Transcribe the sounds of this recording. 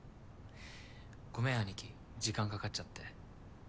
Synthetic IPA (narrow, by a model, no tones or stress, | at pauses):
ɡ̥o̞me̞aɲʲikʲid͡ʑikãŋkakat͡ɕːat̪ːe̞